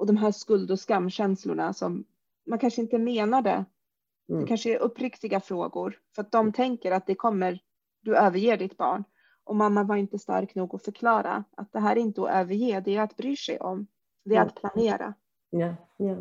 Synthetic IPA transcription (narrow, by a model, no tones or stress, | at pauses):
ʔɔd̪ɔmɦæːʂkɵld̪ɔskamːɕɛnslʊ̰ɳasɔmː | ankʰanʂəɪnt̪əmeːnaɖɛ̰ | ɛkʰanʂəɛɾʔɵpːɾɪkt̪ɪɡafɾoːɡʊɾfœɾat̪̚d̪ɔmt̪ʰɛŋkəɾat̪̚d̪ɛkʰɔmːəɾ | d̪ɵøːvəɾjeːɖɪt̪bɑ̰ːɳ | ʔɔmamːavaɾɪnt̪əst̪a̰ɾknuːɡɔfœɾkʰlɑːɾa̰ʔat̪̚d̪ɛɦæːɾɛɪnt̪əɔ̰ʔøːvəɾjeːd̪ɛæɾat̪bɾyːʂɛ̰jʔɔ̰m | d̪ɛɾat̪pʰlaneːɾa̰